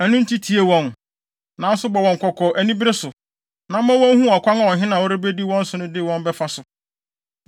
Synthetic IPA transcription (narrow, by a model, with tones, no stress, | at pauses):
æ˨nʊ̃˦n̩˦tʰi˦tʰi˨e˨wɔ̃˦n | nã˨˦n̩˦sʊ˦bɔ˨wɔ̃˨ŋ̩˨kʷʰɔ˨kʰɔ˨ʔæ˨nĩ˦bɪ˦ɾɪ˦sʊ˨ | nã˨m̩˦mã˦wɔ̃˦n˦hũ˦ɔ˨kʰʷa˦ŋã˦˨wɔ̃˨ɦɪ̃˦nã˨wo˦ɾɪ˦be˦di˦wɔ̃˦n̩˦sʊ˨nʊ̃˦dɪ˦˨wɔ̃˦nbɛ˦fa˦sʊ˨